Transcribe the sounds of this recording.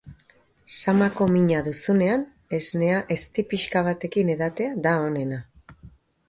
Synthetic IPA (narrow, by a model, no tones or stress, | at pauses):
samako̞miɲaðusune̞an | e̞zne̞aʔe̞st̪ipiʃkaβ̞at̪e̞kine̞ðat̪e̞ad̪aone̞na